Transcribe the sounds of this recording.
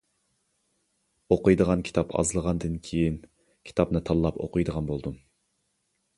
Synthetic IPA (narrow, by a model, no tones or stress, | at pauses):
oqʊjd̪əʁɑnkʲʰi̥t̪ʰɑpʰɑ̰zlˠəʁɑnd̪ɨnkʲʰejin | kʲʰi̥t̪ʰɑpnɨt̪ʰɑlˠːɑpo̰qʰɨjd̪əʁɑnbolˠd̪um